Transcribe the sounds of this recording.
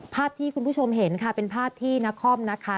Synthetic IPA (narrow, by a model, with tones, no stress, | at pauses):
pʰaː˥˩t̪ʰiː˥˩kʰu˧npʰu˥˩o˧mɦe˩˦nkʰa˦˥˩pe˧npʰaː˥˩p̚t̪ʰiː˥˩na˦˥kʰɔ˥˩mna˦˥kʰa˦˥˩